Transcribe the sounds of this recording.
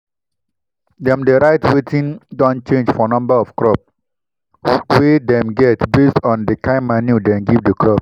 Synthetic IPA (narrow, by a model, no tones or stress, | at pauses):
dɛ̃mdeɹaɪtwetĩndɔ̃nt͡ʃẽnd͡ʒfɔnɔ̃mbəɔfkɹɔp̚ | wedɛ̃mɡɛtbestɔ̃ndəkãɪmːanidɛ̃nɡivdəkʰɹɔp̚